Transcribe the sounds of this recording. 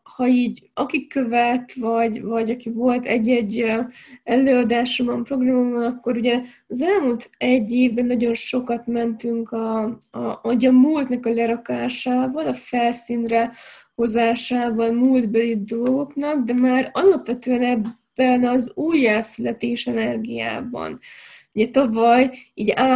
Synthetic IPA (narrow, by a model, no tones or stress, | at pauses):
hɒiːɟɒkikːøvɛt̪vɒɟvɒɟɒkivo̞lt̪ʰɛ̰ɟːɛɟː | ɛlːøːɒd̪aːʃumɒmpro̞ɡrɒmomɒnɒkːo̞ɾuɟɛ | ɒzɛlmult̪ɛɟːeːvbɛnːɒɟo̞nʃo̞kɒt̪mɛnt̪yŋkɒ | ɒɟɒmult̪nɒkɒlɛɾɒkaːʃaːvɒlɒfɛlsiːnrɛho̞zaːʃaːbɒnmuld̪bølid̪o̞lɡo̞knɒɡd̪ɛmaːɾɒlɒpʋɛt̪øːɛnɛbːɛnɒzuːjːaːsylɛt̪eːʃɛnɛrɡija̰ːbɒ̰nuɟɛt̪ɒvɒjiːɟa